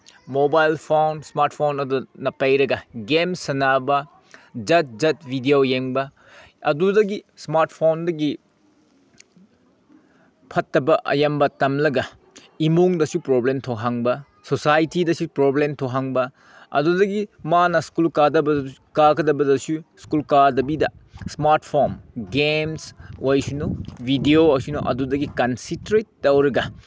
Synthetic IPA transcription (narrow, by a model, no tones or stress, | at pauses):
mobajlpʰownsmaɾt̚pʰonɐdunɐpɐjɾɐɡɐɡemsɐnabɐ | d͡ʒɐt̚d͡ʒɐt̚bʱidiojeŋbɐ | ɐdudɐɡismaɾt̚pʰondɐɡi | pʰɐtːɐbɐʔɐ̰jɐmbɐtɐmlɐɡɐ | imoŋdɐsupɾoblemtʰoɦaŋbɐ | sosajtidɐsupɾoblemtʰoɦaŋbɐ | ɐdudɐɡimanɐskulkadɐbɐkakʰɐdɐbɐdɐsuskulkadɐbidɐ̰smaɾt̚pʰonɡemsojsunobʱidioɐsunoʔɐ̰dudɐɡikɐnsintɾetːɐwɾɐɡɐ